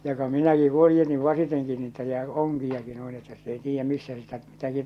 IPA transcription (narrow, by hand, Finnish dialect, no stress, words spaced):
jokɑ minæki huojːenːi ʋɑsiteŋki niːtæ jɑ oŋkijɑki nuin etːæ sit ei tiːjːæ misːæ sitæ mitæki